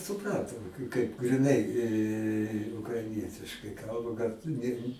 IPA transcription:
sʊˈprɐntʊ kɐɪp ɡrʲɪˈnɐɪ ʊkrɐɪˈnʲiɛtʲɪʃkɐɪ ˈkɐlˠbɐ ɡɐlˠ tʊ ˈnʲɛ

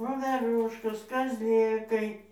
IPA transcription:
ʋoːʋʲɛˈrʊʃkoːs kɐzʲˈlʲeːkɐɪ

